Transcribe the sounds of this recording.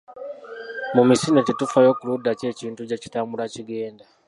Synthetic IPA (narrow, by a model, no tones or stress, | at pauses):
mumisinetitufajo̞ːkuludace̞ciːntuɟeci̥taːmbulaciɡe̞ːnda